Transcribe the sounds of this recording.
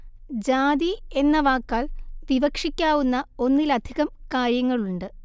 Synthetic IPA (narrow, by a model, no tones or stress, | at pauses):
d͡ʑaːd̪ie̞nːɐʋaːkːaːɭʋiʋɐkʂikʲːaːʋunːɐo̞nːilɐd̪ʱiɣɐmkaːɾjɐŋːɐɭuɳɖɨ